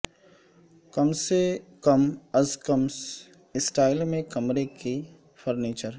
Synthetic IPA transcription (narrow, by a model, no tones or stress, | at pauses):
kɐmsekəmɐzkəms | ɪsʈaːɪlmẽkɐmɾeki | fʰəɾniːt͡ʃəɾ